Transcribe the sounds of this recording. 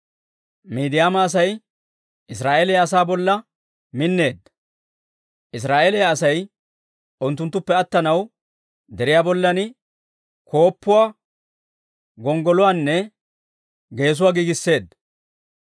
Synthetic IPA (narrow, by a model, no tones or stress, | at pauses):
miːd̪ɪjaːmɐːs̬ɐj | ʔɪsɾaːʔeːlɛjaːs̬aːbɔlːɐ | mɪnːe̞ːd̪ | ʔɪs̬ɾaːʔeːlɛjasɐj | ʔʊnt̪ːʊnt̪ːʊpːɛɐt̪ːɐnɐw | d̪ɛɾɪjaːbɔlːɐnɪ | kʰo̞ːpːʊwaː | ɡɔŋɡɔlʊwaːnːɛ | ɡe̞ːs̬ʊwaːɡiːɡɪsːe̞ːd̪ː